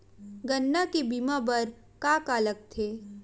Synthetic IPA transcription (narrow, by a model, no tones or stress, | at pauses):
ɡənːakibiːmabɐɾ | kaːkaːlək̚t̪ʰeː